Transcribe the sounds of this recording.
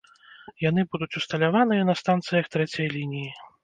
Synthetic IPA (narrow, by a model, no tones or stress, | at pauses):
janɨbud̪ut͡sʲust̪ɐlʲavanɨjɐnɐst̪ant̪sɨjɐxt̪ɾɛt͡sʲɐjlʲinʲiji